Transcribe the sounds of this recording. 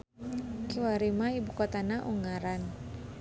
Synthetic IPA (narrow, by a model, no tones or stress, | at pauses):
kiwaɾimaibukɔt̪anaʔuŋaɾan